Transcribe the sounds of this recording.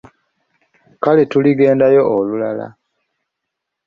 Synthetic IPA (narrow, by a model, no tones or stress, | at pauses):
kaletuliɡe̞ːndajo̞ʔolulala̰